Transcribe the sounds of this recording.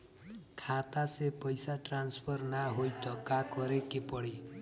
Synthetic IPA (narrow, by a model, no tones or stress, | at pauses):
kʰat̪asepɔjsaʈɾanspʰɔɾnaɦojt̪ɔkakɔɾekepɔɽi